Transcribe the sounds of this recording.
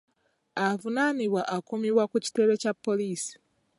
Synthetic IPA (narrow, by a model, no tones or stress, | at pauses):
avunaniβwaʔːkumiβwakuci̥te̞ɾe̞capːo̞liːsi̥